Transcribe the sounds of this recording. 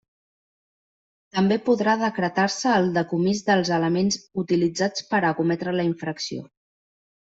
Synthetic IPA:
t̪əmbepuðɾaðəkɾət̪aɾsəːlˠd̪əkumizðəlˠzələmenzut̪ilid͡zat͡spəɾəkumɛt̪ɾələiɱfɾəksio̰

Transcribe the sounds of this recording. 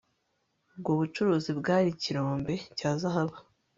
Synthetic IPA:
b̚ɡoːβut͡ʃuɾuːzibɡaːɾiciɾo̞ːmbe̞caːzaɦaβa

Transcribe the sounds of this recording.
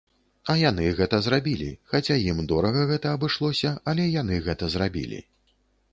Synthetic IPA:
ɐjanɨɣɛt̪ɐzɾabʲilʲḭxat͡sʲajimd̪ɔɾɐɣɐɣɛt̪ɐɐbɨʂlˠɔsʲɐɐlʲɛjan̪ɨɣɛt̪ɐzɾabʲḭlʲḭ

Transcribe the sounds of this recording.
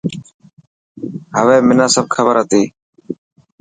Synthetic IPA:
ɦəʋeːmɪnãːsəb̚kʰəbəɾɦət̪iː

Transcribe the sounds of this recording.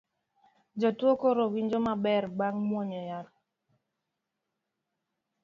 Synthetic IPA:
d͡ʒɔtwɔkɔɾɔwind͡ʒɔmabɛɾɡ͡baŋmwɔɲɔjaɾ

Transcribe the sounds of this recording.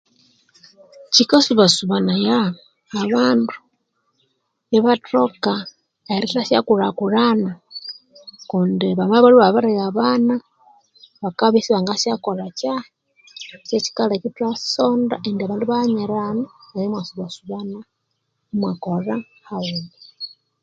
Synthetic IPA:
cikasuβasuβanajaː | βaːndu̥ | jeβatoka | eɾitasja̰kuɾakuɾana | kundiβamaβaluβaβaɾajaβana | βakaβisiβaŋɡasjakoɾat͡ʃa | set͡ʃi̥kalakitasonda̰ʔendiaβaːnduβaɲeɾanaajemwasuβasuβana | umwakora | hauni

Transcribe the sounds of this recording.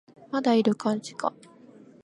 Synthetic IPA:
mad̪aiɾɯ̟kãɲ̟d͡ʑi̥ka̰

